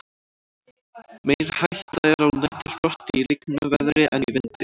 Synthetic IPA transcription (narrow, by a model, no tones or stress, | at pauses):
mejɾ̥hajht̪aɛɾawnɛht̪ʏspɔr̥t̪ɪiɾɪknʏvɛðɾɪʔɛnvɪnt̪ɪ